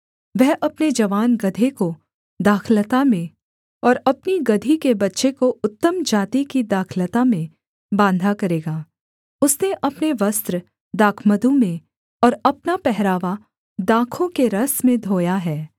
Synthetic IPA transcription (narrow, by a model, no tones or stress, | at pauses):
ʋɛɦʔɐpned͡ʒɐʋaːnɡɐd̪ʱeko | d̪aːkʰlət̪amẽ | ɔːɾɐpniɡɐd̪ʱikebɐtːʃekoʊt̪ːəmd͡ʒaːt̪ikid̪aːkʰlət̪amẽ | bãːnd̪ʱakɐɾeːɡaː | ʊsneʔɐpneʋɐst̪ɾə | d̪aːkʰməd̪õmẽ | ɔːɾɐpnapɛɦɾaːʋa | d̪aːkʰõkeɾɐsmẽd̪ʱoːjaɦɛː